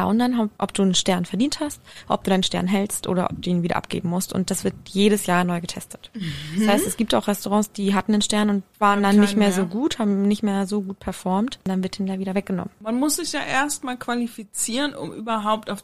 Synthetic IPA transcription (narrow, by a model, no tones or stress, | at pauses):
ʔʊndanɦaʔɔp̚d̥uːnənʃtɛɐnfɛɐdiːnthastʔɔ̰pd̥uːdaɪnʃtɛ̰ɐnɦɛlstʔo̰ːɾɐ̰ʔɔ̰p̚d̥uːiːnviːdɐ̰ʔa̰p̚ɡ̥ḛːbm̩mʊstʊ̰ntd̥asv̥ɪɐtjeːɾəsjaːɐnɔʏɡətʰɛstʰə̥tshaɪstɛsɡ̥iːp̚ta̰ʊxʁɛstoʁɑ̃ːsd̥iːɦatn̩dənʃtɛɐnʊntvaːʁəndanːɪçtmeːɐzoːɡuːthaːbm̩nɪçtmeːɐzoːɡuːt̚pʰɛɐfɔɐmtd̥anvɪɐtʰɪndaviːɾɐvɛk̚ɡ̥ənɔ̰mənmanmʊsz̥ɪçjaːʔeːɐstmaːlkv̥alifit͡siːʁənʔʊ̰mʔy̰ːbɐɦaʊp̚taʊf